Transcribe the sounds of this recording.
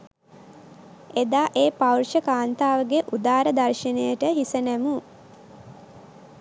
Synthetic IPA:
ed̪aːʔeːpawrʃəkaːnt̪aːʋəɡeʔud̪aːɾəd̪arʃənejəʈəɦisənæmu

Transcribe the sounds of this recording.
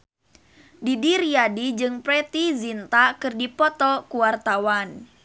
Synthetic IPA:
didiriadid͡ʒɨŋpɾɛt̪izint̪akɨrdipɔt̪ɔkuwart̪awan

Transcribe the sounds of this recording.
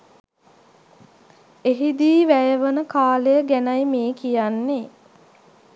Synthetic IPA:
eɦid̪iːʋæjəʋənəkaːlejəɡænajmeːkijanːe

